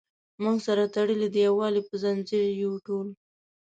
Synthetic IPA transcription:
muɡsaɾat̪aɽəled̪əjawɑlepəzanziɾjawʈol

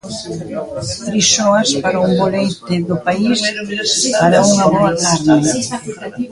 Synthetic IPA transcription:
t̪ɾiʃɔɐspaɾɐumbolejt̪ɪðʊpais | aɾɐuŋɐβɔɐk̪aɾða

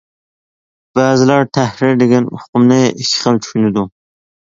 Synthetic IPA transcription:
b̥æːzɪlæɾt̪ʰæhɾiɾd̪eɡʲɛnṵqʊmnɪiʃχəlˠt͡ʃʰy̥ʃynɪd̪u

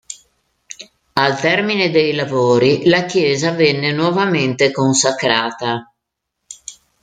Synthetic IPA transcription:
alt̪ɛrmined̪ejlavoːɾilak̟jɛːzavɛnːenwɔvament̪ekonsakɾaːt̪a

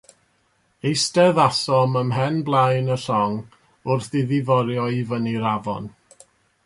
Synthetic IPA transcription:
ejstɛðasɔməmɦɛnblˠajnəɬɔŋ | ʊrθɪðɪvɔɾjɔivəniɾavɔ̰n

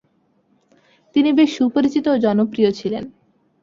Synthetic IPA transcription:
t̪inibeʃupoɾit͡ɕit̪oːd͡ʑɔnopɾijot͡ɕʰilen

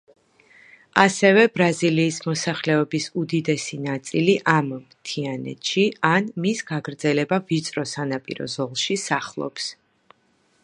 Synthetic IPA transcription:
asɛvɛbɾaziliːsmɔsaχlɛɔbisud̪id̪ɛsinat̪sʼiliʔammt̪ʰianɛ̰t̪ʃianmisɡ̥aɡɾd̪zɛlɛbavit̪sʼɾɔsanapʼḭɾɔ̰zɔlˠʃisaχlˠɔ̰ps

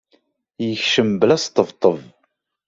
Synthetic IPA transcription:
jəçʃəmblæst̪ːəvt̪ˤːəv

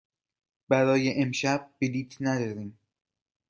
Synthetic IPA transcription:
b̥æɾɒːjeʔemʃæb̚ːeliːt̪ʰnæd̪ɒːɾiːm

